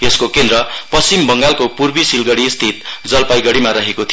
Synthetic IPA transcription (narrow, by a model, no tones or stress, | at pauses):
eskokend̪ɾʌpʌst͡simbʌŋɡalkopurbisilɡʌɽist̪ʰit̪̚d͡zʌlpajɡʌɽimaɾʌɦekot̪ʰi